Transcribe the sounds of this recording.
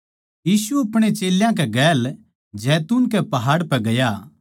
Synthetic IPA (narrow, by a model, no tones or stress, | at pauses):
jiːsuɐpɽ̃et͡ʃeːljãk̬ɛɡɛːl | d͡ʒɛːt̪uːnkɛpɐɦaːɽpɛɡɐja